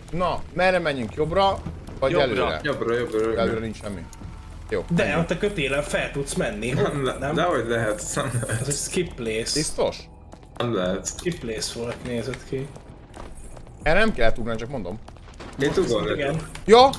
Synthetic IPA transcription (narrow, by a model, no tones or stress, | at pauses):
nɒmɛrɛmɛɲːyŋkjo̞brɒvɒɟɛløːɾɛ̰jobɾɒjobɾɑɾøɛløːɾɛnint͡ʃʃɛmːḭ | joːd̪ɛot̪ːɛkøt̪eːlɛɱfɛlt̪ut̪smɛnːiɛmlɛnɛmd̪ɛɦoɟlɛɦɛt̪nɛmlɛhɛɛzskipːleːsbist̪o̞ʃ | ɛmlɛɦɛt̪ipleːsfolkneːzɛt̪kʰi | ɛːɾɛnɛmkɛlːɛt̪uɡnaːnt͡ʃɒk̚mo̞nd̪o̞m | eːnt̪uɡoɛɡɛnjɒː